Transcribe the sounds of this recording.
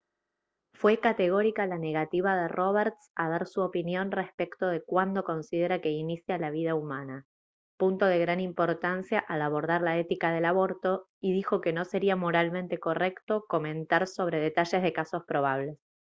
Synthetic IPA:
fwe̞kat̪e̞ɣ̞o̞ɾikalane̞ɣat̪iβaðero̞β̞eɾt̪sað̞aɾsuopinjo̞nrespekt̪o̞ð̞e̞kwand̪o̞ko̞nsið̞e̞ɾake̞inisjalaβið̞aumana | punt̪o̞ð̞e̞ɣɾanimpo̞ɾt̪ansjaʔalaβo̞ɾðaɾlaet̪ikaðe̞laβo̞ɾt̪o̞ | iðixo̞ke̞no̞se̞ɾiamo̞ɾalmẽ̞nt̪e̞ko̞re̞kt̪o̞ko̞mẽ̞nt̪aɾso̞β̞ɾe̞ð̞e̞t̪aʃe̞zðe̞kaso̞spɾo̞β̞aβ̞le̞s

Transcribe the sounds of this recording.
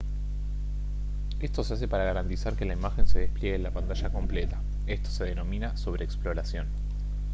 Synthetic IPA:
e̞st̪o̞seas̬e̞paɾaɣaɾant̪isaɾke̞laimaxe̞nse̞ðe̞hpljeɣenlapant̪aʃako̞mplet̪a | est̪o̞̥seð̞e̞no̞mĩnaso̞βɾeːksplo̞ɾasjo̞n

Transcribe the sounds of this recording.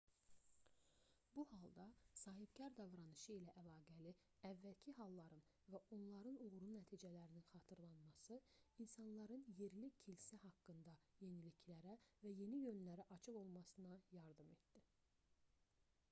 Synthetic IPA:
buhɑlˠd̪ɑsɑːɦibcæɾd̪ɑvɾɑnɯʃɯilæʔælˠɑːɡæli | ævːælcʰiɦɑlˠːɑɾɯn | væʔo̞nlˠɑɾɯnuɣɾunæt̪ʰiːd͡ʒælæɾininχɑːt̪ʰɯɾlˠɑnmɑsɯinsɑnlˠɑɾɯnje̞ɾlicʰilsæhɑkːɯnd̪ɑje̞nilicʰlæɾævæje̞nijø̞nlæɾæʔɑt͡ʃʰɯɣo̞lˠmɑsɯnɑjɑɾd̪ɯmet̪d̪̥i

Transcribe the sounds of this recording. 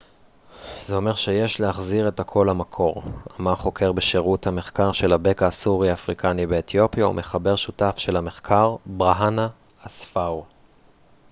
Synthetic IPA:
zeo̞me̞ʁʃejeʃleaχziʁe̞takʰo̞lhamakʰo̞ʁamaχo̞kʰe̞ʁbeʃeʁuthame̞χkaʁʃe̞labe̞kaːsuʁiaːfʁikʰanibeːtjo̞pjaṵmʔe̞χabe̞ʁʃutafʃe̞lame̞χkʰaʁbʁaɦanaː | sfaw

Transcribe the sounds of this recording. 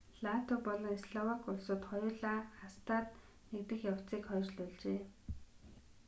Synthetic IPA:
ɮat̪ʰʊpɔɮɞ̆ŋisɮɔwakʊɮsoːt̪χɔjʊːɮaːχast̪ʰaːt̪̚ | nekt̪ɘ̆xjaw̥t͡siːkχœːt͡ɕɮʊːɮt͡ɕeː

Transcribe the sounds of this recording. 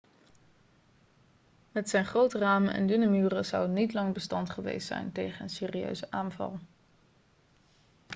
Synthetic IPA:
mɛtsɛjnχrowtəraːmənʔɛ̰ndynamyːrəzʌwənitlɑŋbəstɑntχəʋḛjstsɛ̰jntejχənənseːriø̰ɥzəʔaːnvɑ̰lˠ

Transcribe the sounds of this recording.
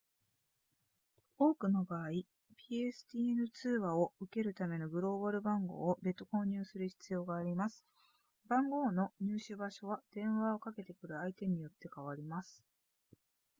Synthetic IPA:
o̞ːkɯ̟no̞baːi | pʲiesɨ̥t̪ʲinɯ̟t͡sɨːβao̞ɯ̟ke̞ɾɯ̟t̪ame̞no̞ɡɯ̟ɾo̞ːboɾɯ̟bãŋɡo̞̰ːobe̞t̪ːo̞ko̞ːɲ̟ɨːsɨɾɯ̟çi̥t͡sɨjo̞ːɡaːɾʲimasɨ̥ | bãŋɡo̞ːno̞ɲ̟ɨːɕɨbaɕo̞β̞ad̪̥ẽ̞ɰ̃βao̞kake̞t̪e̞kɯ̟ɾɯ̟ait̪e̞ɲ̟ijo̞t̪ːe̞kaβaɾʲimasɨ̥

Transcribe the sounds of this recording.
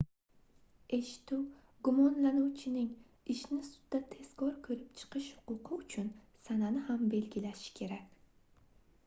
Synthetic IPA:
e̞ʃɪ̥t̪uw | ɡʊmɒnlanuwt͡ʃʰɪnɪŋ | ɪʃnɪsʊ̥d̪ːat̪ʰe̞skʰɒɾkʰɵɾɪpt͡ʃʰɨ̥qɨʃhʊ̥qʊqʰɨʊt͡ʃʰʊnsananɪhambe̞lɡʲɪlaʃɪ̥kʲʰe̞ɾakʲ

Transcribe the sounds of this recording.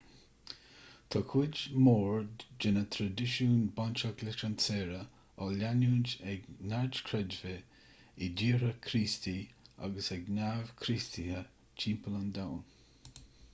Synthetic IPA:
t̪ʰɔkʰud͡ʒmoːɹdd͡ʒɪnət̪ʰɾadɪʃuːnbɔnt͡ʃəklɪt͡ʃansɛːɾə | ɔlanuːnd͡ʒɛɡnaɹd͡ʒkʰɾɛd͡ʒvə | idiːɾəkʰɾiːst̪ia̰ɡəsɛɡnav̥kʰɾist̪ʰihə | t͡ʃʰiːmpələnd̪awn

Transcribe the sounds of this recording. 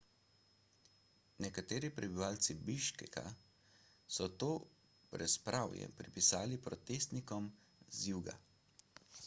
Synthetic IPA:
nɛkat̪eːɾipɾɛbiʋaːlt̪sibiʃkɛkʰa̰ | sɔt̪oː | pɾɛspɾʔawjɛ̰pɾipisaːlipɾɔt̪eːst̪nikɔm | zjuːɡa̰

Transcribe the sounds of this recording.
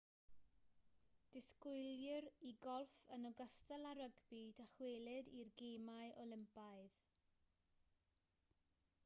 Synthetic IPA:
d̥ɪskʊɨljɪriɡɔlˠfənɔɡəstɛlˠaɾəɡbidaχweːlˠɪdirɡeːmaɨʔɔlˠɪmpaɨð

